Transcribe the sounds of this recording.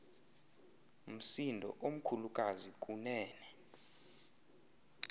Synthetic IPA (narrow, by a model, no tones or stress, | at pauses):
m̩sindʱɔ̰ʔom̩kʰulukʼazik̬ʼunɛːnɛ